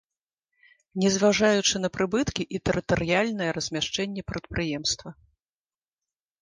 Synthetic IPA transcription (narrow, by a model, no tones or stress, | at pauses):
nʲɛzvaʐajut͡ʂɨnɐpɾɨbɨt̪kʲiʔit̪ɛɾɨt̪ɐɾɨjalʲnɐjɐɾɐzʲmʲaʂt͡ʂɛnʲːɛpɾɐt̪̚pɾɨjɛmst̪vɐ